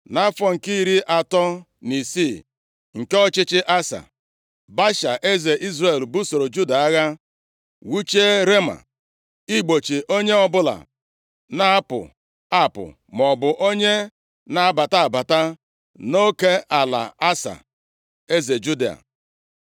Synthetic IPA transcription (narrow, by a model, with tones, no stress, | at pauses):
na˦fɔ˨ŋ̩˨ki˦i˦ɾi˦ʔa˨tɔ˦ | ni˨si˦˨ | ŋ̩˨ke˦ɔ˦t͡ʃɪ˦t͡ʃɪ˦ʔa˦sa̰˨ | ba˦ʃa˨ʔe˦ze˨ʔi˦zre˨lbu˦so˨ɾo˨d͡ʒu˦da˨a˦ɣa˦ | wu˦t͡ʃe˦ɾe˦ma̰˨ | i˦ɡ͡bo˨t͡ʃi˨ʔo˦ɲe˦ɔ˦bʊ˦la̰˨ | na˦a˦pʊ̰˨ | a˦pʊ̰˨ | m˨ɔ˨bʊ˨ʔo˦ɲe˦ | na˨a˨ba˨ta˦a˨ba˨ta˦ | no˦ke˦a˨la̰˨a˦sa̰˨ | e˦ze˨d͡ʒu˦de˦a̰˨